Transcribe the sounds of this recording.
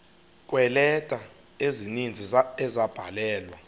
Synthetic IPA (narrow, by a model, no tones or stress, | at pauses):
kʼwɛlɛtʼa | ezinind͡zʱiɛzab̥ʱalɛːlwa